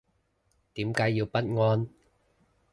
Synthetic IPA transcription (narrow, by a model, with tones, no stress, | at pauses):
t̪iː˨˥mkaː˨˥jːiː˧wpɐ˦˥t̚ŋɔː˧n